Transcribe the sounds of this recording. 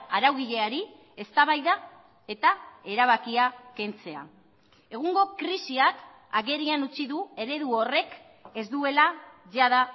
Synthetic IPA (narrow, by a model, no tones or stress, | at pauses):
aɾawɣiʎe̞aɾi | e̞st̪aβajða | e̞t̪ae̞ɾaβ̞akiake̞nt͡se̞a̰ | e̞ɣ̞uŋɡo̞kɾisiak | aɣe̞ɾianut͡siðue̞ɾe̞ðuo̞re̞k | e̞zd̪ue̞laʝaða